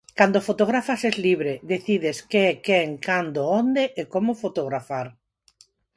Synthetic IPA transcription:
kand̪ofot̪oɣ̞ɾafasɛzliβɾeðeθiðeskeɛkeeŋkand̪oond̪eʔekomofot̪oɣɾafaɾ

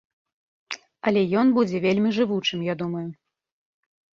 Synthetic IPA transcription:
ɐlʲɛjɔnbud͡zʲɛvʲelʲmʲiʐɨvut͡ʂɨmjad̪umɐju

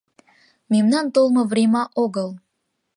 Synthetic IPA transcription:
memnɑnt̪olˠmɤ̆vrʲemɑʔoɣəl

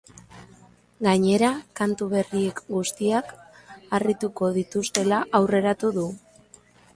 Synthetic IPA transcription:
ɡaɲe̞ɾakant̪uβ̞e̞rie̞kɡust̪iak | arit̪uko̞ðit̪ust̪e̞laʔawre̞ɾat̪uðu

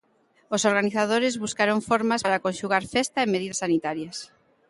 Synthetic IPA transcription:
osoɾɣaniθað̞oɾɪzβuskaɾoŋfoɾmasaɾakonʃuɣ̞aɾfɛst̪aemeð̞iðɐsanit̪aɾjas

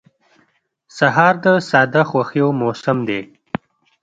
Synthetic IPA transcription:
saɦɑɾd̪əsɑd̪axwaxijomosɪmd̪e

